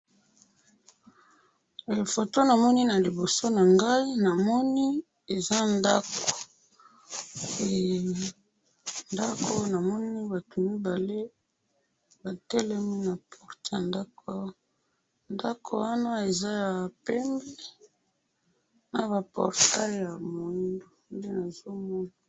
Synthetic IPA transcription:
fo˨to˦na˨mɔ˦ni˦na˨li˨bo˨so˦na˨ŋɡa˦i˦na˨mɔ˦ni˦ | e˨za˦nda˦ko̥˨ | e˨ | nda˦ko˦na˨mɔ˦ni˦ba˨to˨mi˦ba˨le˦ | ba˨tɛ˦lɛ˦mi˦na˨pʰɔ˨ʁta˨nda˦ka˦ | nda˦kʰo̰˨wa˦na˦e˨za˦ja˨pɛ˦mbɛ˦ | na˨ba˨pɔ̰˨ʁta˦˨ja˨mo˨ndo˨nde˦na˨zo˦mɔ˦na˨

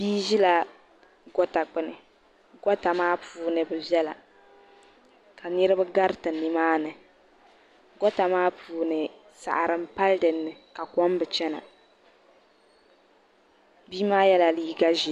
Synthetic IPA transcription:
b̥iː˦ʒi˦la˦ | ɡɔ˦ta˨k͡pɨ˨nɨ˨ | ɡɔ˦ta˨maː˦puː˨˦nɨ˨bɨ˨bɛ˦la̰˨ | ka˨nɨ˦ɾɨ˦bɨ˦ɡa˦ɾɨ˦tɨ˨nːɨ˨maː˦nɨ˨ | ɡɔ˦ta˨maː˦puː˨˦nɨ˨ | sa̰˨ʔa˨ɾɨ˦m̩˦pa˦ldɨ˨nːɨ˨ka˨kɔ˦m˦bɨ˨t͡ʃɛ˦na̰˨ | biː˦maː˦jɛ˦la˨liː˦ɡa˦ʒi˦

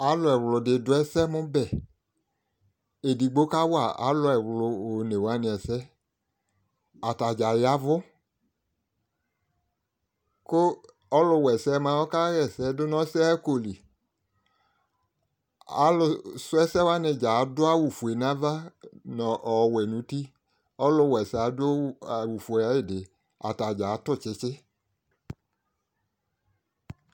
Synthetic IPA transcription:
a˨˦lʊ˧ɛ˨wlʊ˧de˧dʊ˨˦ɛ˦sɛ˦mʊ̃˦bɛ˦˨ | e˨di˨ɡ͡bo˦ka˦wa˦˨a̰˨˦lʊ˧ɛ˨wlʊ˧o˨ne˨wa˨˦nɪ˧ɛ˧˨sɛ˦ | a˨ta˨d͡ʒa˨ja˨˦vʊ˦ | kʊ˦ | ɔ˦lʊ˧wɛ˨sɛ˨˦mã˧˦ɔ˦ka˦ɾɛ˦˨sɛ˧˦dʊ˦nɔ˦sɛ˦ko˧˨li˨ | a̰˨˦lʊ˧sʊ˦ɛ˦sɛ˦wa˦nɪ˧d͡ʒa˨˦dʊ˦a˦wu˨fu˨e˨na˦va˦nɔ˨ʔɔ˨wɛ˨nũ˨˦ti˦ | ɔ˦lʊ˧wɛ˨sɛ˨a˧˦dʊ˦a˨wu˨fu˨a˨˦jɪ˦˨dɪ˨ | a̰˨ta˨d͡ʒa˨˦tʊ˦˨t͡ʃɪ˧˦t͡ʃɪ˦

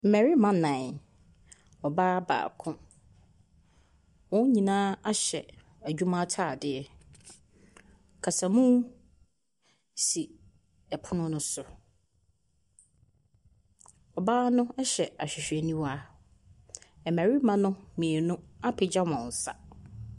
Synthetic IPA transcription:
m̩˨mɛ˨ɾi˦mã˦nã˨ | ɔ˨baː˦ba̰ː˨kʰʊ̃˦ | wɔ̃˦ɲĩ˨nãː˦a˦ɕɛ˨ | æ˨d͡ʑᶣu˦mã˦tʰaː˦˨dɪ˨ɛ˨ | kʰa˨sa˨mũ˦ | si˨ | ɛ˨pʰʊ˦nʊ̃˦nʊ̃˦sʊ˨ | ɔ˨baː˦nʊ̃˦ɛ˦ɕɛ˨a˨ɕᶣɪ˨ɕᶣɛ˨nĩ˦wa˦ | ɛ˨mæ˨ɾi˦mã˦nʊ̃˦mĩ˨e˨nʊ̃˦a˦pʰɪ˨d͡ʑa˦mɔ̃˨n˨sa˦

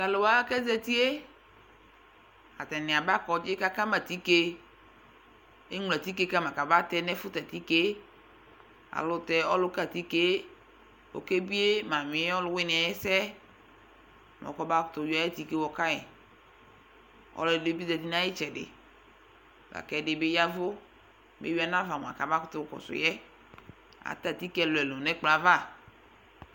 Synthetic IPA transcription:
la˨lo˨wa˦kɛ˦zɛ˦t̪i˦e˦ | a̰˨t̪ɛ˨nɪ̃˨a˨ba˦kɔ˨d͡ʒɪ˦ka˦ka˦ma˨t̪i˦ke˦ | e˦ŋ˨lɛ˨t̪i˦ke˦ka˦mã˨ka˨ba˦t̪ɛ˦nɛ˦fʊ˦t̪ɛ˨t̪i˦ke˦ | a̰˨lʊ˦t̪ɛ˨ɔ˦lʊ˦ka˦˨t̪i˦ke˦ | wo̰˨ke˦bi˦e˦mã˨mɪ̃˨˦ɔ˦lʊ˦wɪ˦nɪ̃˨a˨jɛ˦sɛ˦˨ | mɔ̰˨kɔ˦ba˦kʊ̥˨t̪ʊ˨jɔ˨˦ɛ˦t̪i˦ke˦wɔ˦ka˦ɲɛ̰̃˨ | ɔ̰˦lɔ˨de˦bi˦dɛ˨di˦nã˦jɪ˦t͡ʃɛ˨dɪ̰˨ | ba̰˨kɛ˨dɪ˨be˦ja˦vʊ˦ | mḛ˦wi˦a˨nã˦va˨mɔ̃˨a̰˨ka˨ba˦kʊ̥˦t̪ʊ˦kɔ̰˨sʊ̰˨jɛ˦ | a̰˨t̪a˨t̪i˦kɛ˦lʊ˨ɛ˨lo˨nɛ̃˦k͡pla˨va˦˨

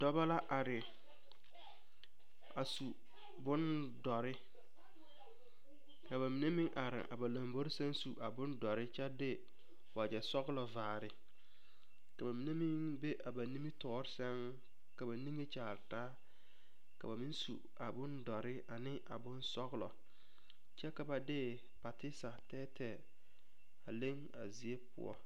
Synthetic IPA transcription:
dɔ˦ba˦la˦ʔa˨ɾɪ˨ | a˨su˨ | bʊ˦n | dɔ˨ɾɪ˦ | ka˨ba˨mi˨ne˦mɪ˦ŋʔa˨ɾɪ̰˨ʔa̰˨ba˨la˨mbo˦ɾɪ˦sɛ˦nsu˨ʔa˨bʊ˦ndɔ˨ɾɪ˦t͡ʃɛ˦dɪ˦ | wa˨d͡ʒɛ˨sɔ˦ɣlɔ˨vaː˨ɾɪ˨ | ka˨ba˨mi˨ne˦mɪ˦ŋbe˦ʔa˨ba˨ni˦mi˦tɔː˨˦ɾɪ˦sɛ˦ŋ | ka˨ba˨ni˦ŋe˦t͡ʃaː˨ɾtaː˦ | ka̰˨ba˨mi˦nsṵ˨ | a˨bʊ˦ndɔ˨ɾɪ˦a˨nɪ˦ʔa̰˨bʊ˦nsɔ˦ɣlɔ̰˨ | t͡ʃɛ˦ka˨ba˨dɪ˦ | pa˨tɪ˦sa˨tɛː˦tʰɛ˨ | a˨le˦ŋ | a˨zi˨e˦pʊ̰˦˨ɔ̰˦

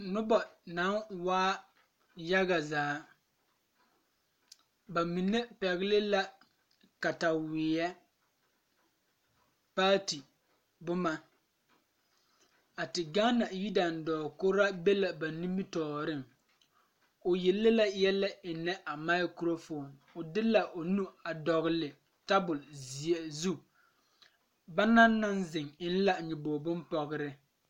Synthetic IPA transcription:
nʊ˦ba˨na˨˦waː˦ | ja˦ɡa˨zaː˨˦ | ba˨mi˨ne˦pɛ˨ɣlɪ˦la˦ | ka˨ta˨wɪː˨ɛ˦ | pa˦ti˨ | bʊ˦ma˨ | a˨tɪ˨ɡa˦na˨ji˦da˨ndɔː˨kʊ˦ɾa˦be˦la˨ba˨nĩ˦mi˦tɔː˨ɾɪ˦ŋ | ʊ˨je˨lːɪ˦la˦jɛ˦la˦ɪ˨nɛ˦ʔa˨ma˦ɪ˦kɾo˦fo˨nʊ˨dɪ˦la˨ʔʊ˨nu˦a˨dɔ˨ɣɪ˨lɪ˨ | ta˦bʊ˨lzi˨e˨zu˦ | ba˦na˦nː˦a˦nzɪ˨ŋɪ˦n̩˦la˦ɲɪ˨boː˨bʊ˦mpɔ˨ɣɪ˦ɾɪ˦

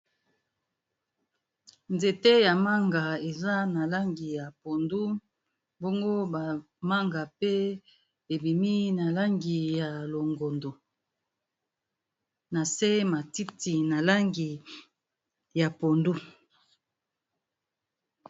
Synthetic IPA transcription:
nze˨te˦ja˨ma˦ŋɡa˨e˨za˦na˨la˦ŋɡi˨ja˨po˨ndu˦ | bo˦ŋɡo˦ba˨ | ma˦ŋɡa˨pe˦ | e˨bi˨mi˦na˨la˦ŋɡi˨ja˨lo˨ŋɡo˨ndo˨ | na˨se˦ma˨ti˦ti˨na˨la˦ŋɡi˨ | ja˨po˨ndu˦

